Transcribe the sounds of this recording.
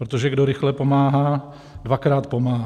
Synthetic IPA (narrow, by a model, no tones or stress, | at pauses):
pɾot̪oʒɛɡdoɾɪxlɛpomaːɦaː | dvakɾaːt̪pomaːɦ